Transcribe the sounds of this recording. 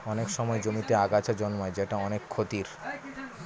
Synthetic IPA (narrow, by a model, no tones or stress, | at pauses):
ɔnekʃɔmɔed͡ʑomit̪eaɡat͡ɕʰad͡ʑɔnmɔed͡ʑeʈaɔnekʰːot̪iɾ